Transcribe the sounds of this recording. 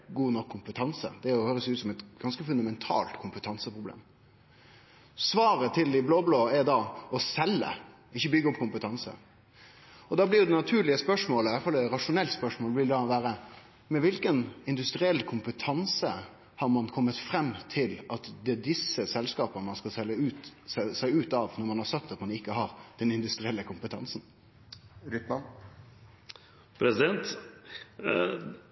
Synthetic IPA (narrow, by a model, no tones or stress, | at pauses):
ɡuːnɔkʰːʊmpət̪ʰɑnsə̰d̪ɛɔhøːɾəsʉːt̪sɔmɛt̪ɡ̥ɑnskəfʉnd̪ɑmɛnt̪ʰɑ̰ːlt̪kʰʊmpət̪ʰɑnsəpʁʊblḛːm | sʋɑːɾət̪ʰɪld̪ɪbloːbloːɛɾd̪ɑɔsɛlːə̰ | ɪçːəbʏɡəɔpːkʰʊmpət̪ʰɑnsə̰ | ɔd̪ɑːblɪɾjʊd̪ɛnɑt̪ʰʉːɾlɪəspœʂmoːləɪɛfɑlːɛɾɑʂʊnɛlt̪spœʂmoːlblɪld̪ɑɔʋæːɾə | mɛʋɪlkənɪnd̪ʉst̪ɾɪɛlːkʰʊmpət̪ʰɑnsə | hɑɾmɑnkʰɔmːət̪fɾɛmːt̪ʰɪlɑt̪d̪ɛd̪ɪsːəsɛlskɑːpəmɑnskɑlsɛlːəʉːt̪sæɪʉːt̪ɑʋnɔɾmɑnhɑɾsɑt̪ːɑt̪mɑnɪkːəɦɑɾd̪̥ɛnɪnd̪ʉst̪ɾɪɛlːəkʰʊmpət̪ʰɑ̰nsn | ɾʏt̪mɑn | pʰɾɛsɪd̪ɛnt̪